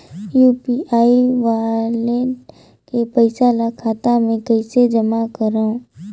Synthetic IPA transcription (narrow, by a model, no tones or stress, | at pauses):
juːpiaːiʋaːle | kepəɪsalakʰaːt̪amẽkəɪsed͡ʒəmakəɾaõ